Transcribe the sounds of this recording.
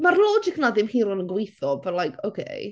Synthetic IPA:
marlˠɔd͡ʒɪknaðɪmhiːɾɔnənɡwejθɔvɛlajkʰowkʰḛj

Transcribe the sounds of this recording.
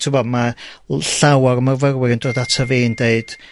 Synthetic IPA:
tʰɪvɔmaɬawaɾəmarvəɾwɪɾəndroːdatʰəveːndeɨd̥

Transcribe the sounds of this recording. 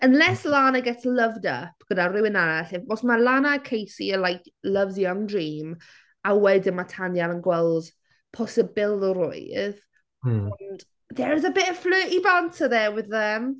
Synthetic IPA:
ənlɛslaːnəɡɛtʰələvda̰pɡ̥ədarɪwɪnanaɛɬɪɔsmalˠanakʰejsiəlajkləvzjɔŋdriːm | awɛdɪnmatʰanjanənɡwɛlˠd̥ | pʰɔsəbɪlˠəɾʊ̰ɨð | ɔnd̥ | dɛɾðəbɪʔəflɨːʔibantʰəðɛwɪðəm

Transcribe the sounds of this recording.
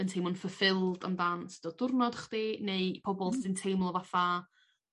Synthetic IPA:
əntʰejmɔnfəfɪlˠda̰mdansd̥ɔd̥ʊrnɔd̥χd̥ineɨpʰɔbɔlˠsɪntʰejmlˠɔvafa

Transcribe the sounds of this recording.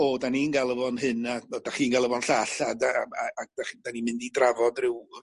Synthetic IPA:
ɔdaninɡalˠəvɔnɦɨnaɔd̥aχiːnɡalˠəvɔnɬaɬadaaːɡ̚d̥aχid̥animɪndidravɔdrɪw

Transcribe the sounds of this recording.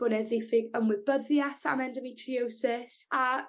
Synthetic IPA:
b̥ʊnɛðejfɪɡəmwɪbəðjaθa̰mɛndəmitʰriowsɪsa

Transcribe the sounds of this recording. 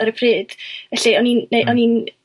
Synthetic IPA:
əɾəpʰrɨːd̥vɛɬiɔninːeʔɔnin

